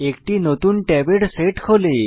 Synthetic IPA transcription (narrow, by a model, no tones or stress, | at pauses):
ekʈinot̪uːnʈɛʋeɽseʈkʰole